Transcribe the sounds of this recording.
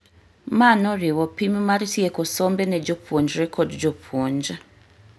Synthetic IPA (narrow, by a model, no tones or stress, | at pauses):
manoɾiwopimumaɾitijekosombeneɟopʰoɲd͡ʒaɾekʰodd͡ʒopʰoɲd͡ʒa